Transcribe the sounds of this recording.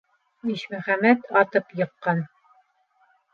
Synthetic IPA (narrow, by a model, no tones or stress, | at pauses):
iɕmæχæmæt̪ɑt̪ɤpjɤ̆qːɑn